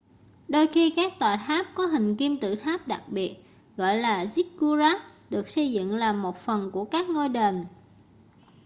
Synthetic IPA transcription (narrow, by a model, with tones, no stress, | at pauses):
ɗo˧jxi˧kaː˦˥k̚t̪waː˧˨˩jt̪ʰaː˦˥p̚kɔ˨˦ɦï˨˩ŋ̟ki˧mt̪ɨ̰˧˨t̪ʰaː˦˥p̚ɗa˨˩k̚ɓi˨˩ət̚ | ɣɔ̰˧˨jlaː˨˩zi˦˥k̚ku˧zaː˦˥ɗɨ˨˩ək̚sə˧jzɨ̰˧˨ŋlaː˨˩mo˨˩t̚fə˨˩nku˧˩əkaː˦˥k̚ŋo˧jɗe˨˩n